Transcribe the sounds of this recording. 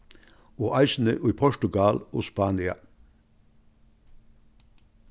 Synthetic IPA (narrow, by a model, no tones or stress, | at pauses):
oːʔɑɪsn̩əʔuiːpʰɔʃʈʉɡɑlo̰ːspɑːnɪɑ̰